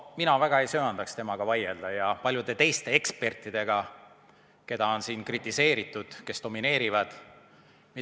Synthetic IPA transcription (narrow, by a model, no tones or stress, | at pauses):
minɑvæɡ̥ɑe̞jsøːɑnd̪ɑkst̪e̞mɑɡ̥ɑvɑjeld̪̥ɑjɑpɑlʲjud̪e̞t̪e̞jst̪e̞e̞kspe̞rt̪ˑːid̪̥e̞ɡ̥ɑ | ke̞d̪̥ɑo̞nsiːnkrit̪ːˑise̞ːɾit̪ˑːud̪̥ke̞st̪o̞mine̞ːɾivɑd̪̥ | mi